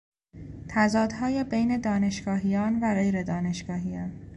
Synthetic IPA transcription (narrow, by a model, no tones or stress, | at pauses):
t̪ʰæzɒːd̪hɒːjebejne̞d̪ɒːne̞ʃɡɒːɦijɒːnvæɣe̞jɾe̞d̪ɒːne̞ʃɡ̥ɒːɦijɒːn